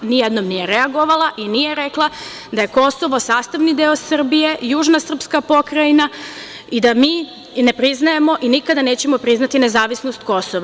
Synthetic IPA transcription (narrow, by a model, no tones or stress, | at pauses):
nijed̪nomnijeɾeaɡoʋalaʔinijeɾeklˠa | d̪aje̞ko̞soʋo̞saːst̪aʋnid̪eosr̩bije̞juːʒnasr̩pskapo̞kɾaina | id̪amiː | ne̞pɾiznaje̞mo̞ʔinikad̪aneːt͡ɕe̞mo̞pɾiznat̪ine̞zaːʋisnost̪̚ko̞soʋa